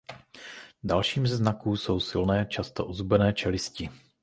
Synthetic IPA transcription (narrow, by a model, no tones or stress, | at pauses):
dalʃiːmzɛznakuːso̞wsɪlnɛːt͡ʃast̪o̞ʔozubɛnɛːt͡ʃɛlɪscɪ